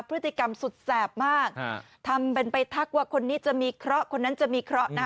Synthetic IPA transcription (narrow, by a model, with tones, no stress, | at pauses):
pʰɾɯ˦˥t̪ːi˨˩ka˧msu˨˩t̪̚sɛː˨˩p̚maː˥˩k̚ | t̪ʰa˧mpe˧npa˧jt̪ʰa˦˥k̚waː˥˩kʰo˧nːiː˦˥t͡ɕa˨˩miː˧kʰɾɔ˦˥ʔkʰo˧nːa˦˥nt͡ɕa˨˩miː˧kʰɾɔ˦˥ʔna˦˥